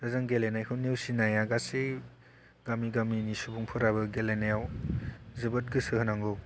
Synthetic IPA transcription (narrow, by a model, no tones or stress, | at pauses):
dazaŋɡelenajkʰɯnewsinajaɡase | ɡamiɡaminisubuŋpʰɯɾabɯɡelenajaw | zɯbɯt̚ɡɯsɯɦɯnaŋɡɯw